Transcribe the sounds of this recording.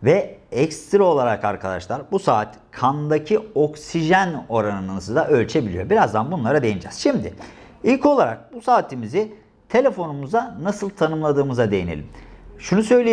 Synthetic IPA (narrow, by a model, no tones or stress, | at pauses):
vɛɛkst̪ɾo̞lˠaɾakaɾkʰad̪a̰ʃlˠaɾbusaːt̪ | kʰand̪acʰio̞ksiʒæno̞ɾanɯnɯnɯsɯd̪aʔø̞lʲt͡ʃʰe̞bilʲijo̞biɾazd̪anbunlˠaɾad̪ejind͡ʒɛz̥ʃimd̪ɪ | ilʲco̞lˠaɾa̰k̚busaːt̪ʰimizɪ | t̪ʰe̞lʲe̞fo̞numuzanasɯlˠt̪ʰanɯmlˠad̪ɯːmɯzad̪e̞jḭnelʲimʃunusø̞jlʲie